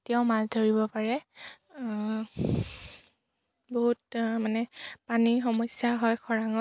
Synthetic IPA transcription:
tɔʊmaldʱoɹibɔpaɹɛ | boɦut̚manɛpanixɔmɔjsjaɦɔjkʰɔɹaŋɔ

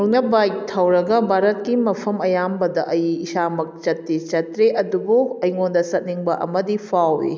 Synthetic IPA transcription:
uknɐbajk̚tʰɐwɾɐɡɐbʱaɾɐt̚kimɐpʰɐmɐjambɐdɐʔɐjːsamɐk̚t͡ʃɐtːit͡ʃɐtɾeʔɐdubuɐjŋondɐsɐt̚niŋbɐʔɐ̰mɐdipʰawḭ

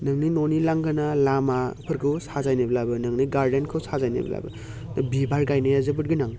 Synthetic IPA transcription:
nɐŋninonilaŋɡɯnalamapʰɯɾkʰɯwsazajnebɐlabɯnɐŋniɡaɾdenkʰɯwsazajnḛb̰la̰bɯ̰ | nabibaɾɡajnajazɯbɯt̚ɡɯnaŋ

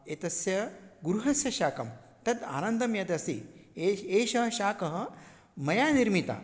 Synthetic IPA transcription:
et̪ɐsjɐɡuɾuɦɐsjɐʃaːkɐm | t̪ɐt̪a̰ːnɐnd̪ɐmjɐd̪ɐsḭeeːʃɐɦɐʃaːkɐɦɐ̆ | mɐjaːniɾmit̪a̰ː

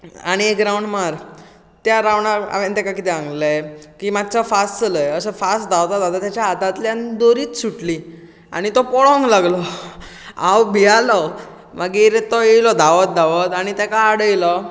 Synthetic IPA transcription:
a̰ɽ̃iekɾauɳɖmaɾ | t̪jaɾaʋɳaɾa̰ʋẽnt̪akakit̪ɛãŋɡləkiːmad̪̚t͡safast͡sələjeəsəfasd̪awt̪ad̪ad̪at̪jat͡ɕaːd̪at̪ljãnd̪oɾiːt̪suʈli | a̰ɽ̃it̪ɔpɔɭɔ̃ŋɡlaɡlɔ | awbʱijalɔ | maɡiɾet̪ɔjejlɔd̪aʋɔt̪̚d̪aʋɔt̪aɽ̃it̪akaːɽəjlɔ

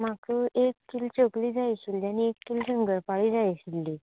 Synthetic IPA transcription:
makʰuʔekʰːilt͡ɕokliːd͡zajɕilːiañiekːilsəŋɡəɾpaɭiːd͡zajɕilːi

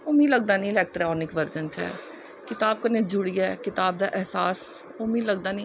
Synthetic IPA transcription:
oːmĩːləɡ̚d̪aːnĩːɪlɛːk̚ʈɾɔːnɪkʋəɾd͡ʒənt͡ʃɛ̰ː | kɪt̪aːb̚kənẽːd͡ʒʊɽijɛːkɪt̪aːb̚d̪aːʔɛɦsaːs | oːmĩːləɡ̚d̪aːnĩː

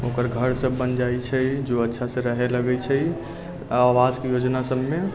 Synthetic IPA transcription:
okəɾɡʱəɾsəbːənd͡ʒajt͡ʃʰəjd͡ʒoətːʃʰasə̃ɾəɦeləɡɛt͡ʃʰə | awad͡ʒkejod͡ʒnasəbme

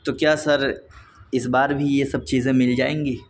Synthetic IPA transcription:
t̪okjaːsɐɾ | ɪsbaːɾbʱijesɐb̚t͡ʃiːzẽmɪld͡ʒaːẽːŋɡiː

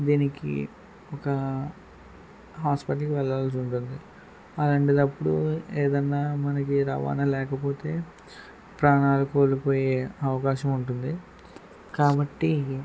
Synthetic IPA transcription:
d̪iːnikḭ | ɔkɐ | ɦaːspiʈɐlkiʋɛlːaːls̬uɳʈund̪i | ɐlɐɳʈid̪ɐpːuɽueːd̪ɐnːaːmɐnɐkiɾɐʋa̰ːnɐlɛːkɐpo̞ːt̪e̞ː | pɾaːɳaːlɐko̞ːlupoːjeːɐʋɐkaːʃɐmuɳʈund̪i | kaːbɐʈːi

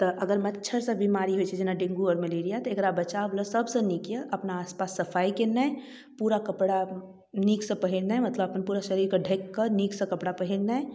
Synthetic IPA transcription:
t̪ɔʔɐɡəɾmɐtːʃʰəɾsẽbimaːɾiɦoit͡ʃʰɛd͡ʒɪnaɖɪ̃ŋɡuɔːɾməleːɾijat̪ɔɐɡəɾabɐt͡ʃabləsɐbsə̃nikiəʔɐpnaːspaːsːɐfʰaːikena | puːɾakəɐpɽa | niːksə̃pɐɦiɾnaɛmɐt̪ləbɐpnpuːɾaʃəɾiːɾkaɖʱekːəniːksə̃kɐpɽapəɦiɾnaɛ

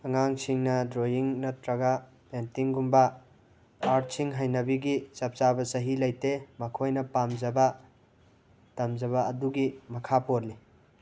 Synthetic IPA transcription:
ɐŋaŋsiŋnɐdɾojiŋnɐtɾɐɡa | pentiŋɡumbɐː | ɾtsiŋɦajnɐbiɡisɐp̚t͡ʃabɐsɐɦilɐjtemɐkʰojnɐpamd͡ʒɐbɐ | tɐmd͡ʒɐβɐɐduɡimɐkʰapoɾli

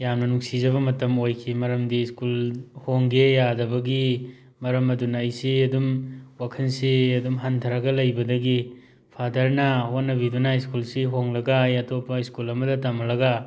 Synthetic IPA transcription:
jamnɐnuksizɐβɐmɐtɐmojkʰimɐɾɐmdiskulhoŋɡejadɐbɐɡi | mɐɾɐmɐdunajsiɐdumwakʰɐnsiɐdumɦantʰɐɾaɡɐlɐjbɐdɐɡi | pʰadɐɾnɐhonːɐbidunaiskulsiɦoŋlɐɡɐjɐtʰopːɐiskulɐmɐdɐtamɐlɐɡɐ

